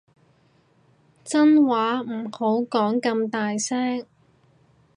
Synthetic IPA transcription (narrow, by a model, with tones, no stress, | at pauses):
t͡sɐ˥nwaː˨˥m̩˨˩ho˨˥wkɔː˨˥ŋkɐ˧mt̪aː˨jsɛː˥ŋ